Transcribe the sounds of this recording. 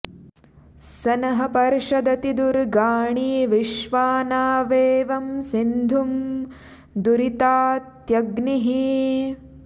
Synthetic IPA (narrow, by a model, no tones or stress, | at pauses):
sɐnɐɦɐpɐɾʃɐd̪ɐt̪id̪uɾɡaːɳiːʋiʃʋaːnaːʋeːʋɐmsind̪ʱum | d̪uɾit̪aːt̪jɐɡniɦi